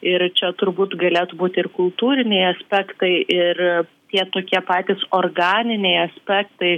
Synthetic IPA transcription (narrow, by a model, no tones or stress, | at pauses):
ɪrt͡ʃʲɛt̪ʊɾbuːt̪ɡɐlʲeːt̪ʊbuːt̪ʲɪrkʊlˠt̪uːɾʲɪnʲɛɪɐsʲpʲæːkt̪ɐɪʔɪrt̪ʲiɛt̪oːkʲiɛpɑːt̪ʲɪsoːrɡɑːnʲɪnʲɛɪɐsʲpʲæːkt̪ɐɪ